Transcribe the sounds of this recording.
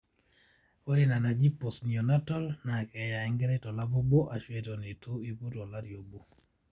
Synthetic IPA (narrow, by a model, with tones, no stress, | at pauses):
o˦ɾi˦na˨na˨d͡ʒi˦pːo˨sni˨o˨na˦tɔ˦lna˨kɛ˨ja˨ɛ˦ŋɡɛ˦ɾɛ˦tɔ˨la˦bo˦bo˦ʔa˨t͡ʃwetɔ˨ne˨tʰu˦i˦pu˦tɔ˨la˦ɾjo˨bo˨